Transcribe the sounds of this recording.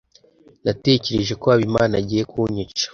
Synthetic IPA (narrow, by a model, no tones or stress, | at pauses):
nate̞ce̞ɾe̞ʒe̞koaβimaːnaɟijekʰuɲut͡ʃḁ